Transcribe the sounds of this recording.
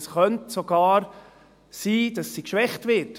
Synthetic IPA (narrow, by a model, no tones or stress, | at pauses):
sχœntsoɡ̥ɑːɾ | siːd̥ɑsːikʃʋɛχtʋɪt